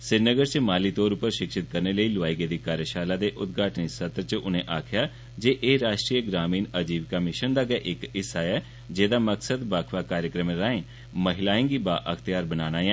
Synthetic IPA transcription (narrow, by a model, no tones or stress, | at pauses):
sɪɾnəɡəɾt͡ʃəmaːliːt̪oːɾʊpːəɾʃɪkʃɪt̪̚kəɾneːləiːlʊʋaːiːɡeːd̪iːkaːɾjəʃaːlaːd̪eːʔʊt̪ɡʱaːʈnisət̪ɾt͡ʃəʊnẽːʔaːkʰjaː | d͡ʒeːʔeːɾaːʃʈɾiːəɡɾaːmiːnəd͡ʒiːʋkamɪʃənd̪aːɡɛʔɪkɪsaːɛː | d͡ʒeːd̪aːməksəd̪baːkʰʋaːkaːɾjəkɾəmeɾaːẽː | məɦɪlaːɪ̃ŋɡiːbaːʔəkʰt̪ɪjaːɾbənaːnaːjɛ̃ː